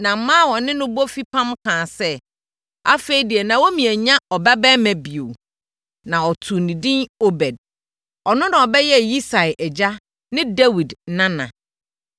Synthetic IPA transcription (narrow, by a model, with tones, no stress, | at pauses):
nã˨m̩˦mãː˦˨wɔ̃˨nɪ̃˦nʊ̃˦bo˦fi˦pʰã˦mkʰãː˨sɛ˦ | a˦fe˦i˦di˨ɛ˨nã˨wo˦mĩ˨ɛ˨ɲã˦ɔ˨bɛ˦bɛ˦mæ̃˨bi˨o̰˨ | nã˨ɔ˨tʰu˨nĩ˨dĩ˦no˦bɛ˨d̚ | ɔ˨nʊ̃˦nã˨ɔ˨bɛ˦jɛ˦ji˦sa˨ʔɛ˨d͡ʑa˦ | nɪ̃˦dɛ˦wi˨dnã˦nã̰˨